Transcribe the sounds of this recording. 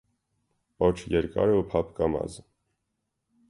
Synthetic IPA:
pɔt͡ʃʰjɛɾkɑ̰ɾupʰɑpʰkɑmɑ̰z

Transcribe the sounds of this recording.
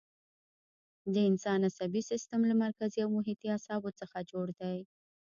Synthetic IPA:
d̪əɪnsɑnasabisɪst̪amlamaɾkaziawmʊɦit̪iasɑbot͡səxad͡ʒoɽd̪aj

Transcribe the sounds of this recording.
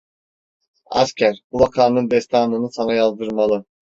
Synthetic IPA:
a̰scʲʰæɾbuvakʰaːnɯnd̪ɛst̪ʰanˠɯnɯsanajazˠd̪ɯɾmalˠɯ

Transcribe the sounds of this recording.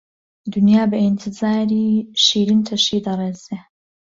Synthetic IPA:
d̪unjaːbɐʔint̪ʰɨzaːɾiːʃiːɾint̪ʰɐʃiːd̪ɐrˤeːzeː

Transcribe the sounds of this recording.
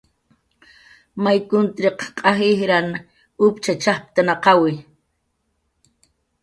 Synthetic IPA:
majkʊnt̪ɾeqqʼɑxɪhɾan | ʊpt͡ʃat͡ʃahp̚t̪anaqɑwɪ

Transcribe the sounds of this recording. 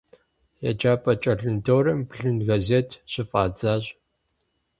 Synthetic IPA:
ja̰d͡ʒaːpʼɐt͡ʃʼɐɮɨndʰoːɾɐmpɬɨnɣɐzeːtʰɕɪfʼaːd͡zaːɕ

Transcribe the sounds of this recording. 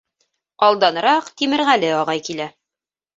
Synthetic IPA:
ɑlˠd̪ɑnɤ̆ɾɑqt̪imɘ̆ɾʁælɘɑʁɑjkilæ

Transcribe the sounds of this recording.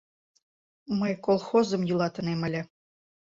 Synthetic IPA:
məjkolˠxozɤ̆mjulˠɑt̪ə̆nemə̆lʲɘ̆

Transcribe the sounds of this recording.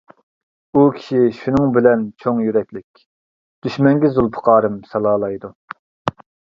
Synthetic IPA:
ukʲʰi̥ʃiʃunɨŋbɪlɛnt͡ʃʰoŋjyɾɛkʲlɪkʲ | d̪̥yʃmɛŋɡʲɪzulˠpʰə̥qʰɑːɾɨmsɑlˠɑːlˠɑjd̪u

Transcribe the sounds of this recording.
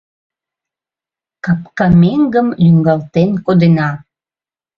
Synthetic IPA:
kɑp̚kɑmeŋɡəmlyŋɡɑlt̪enkod̪enɑ

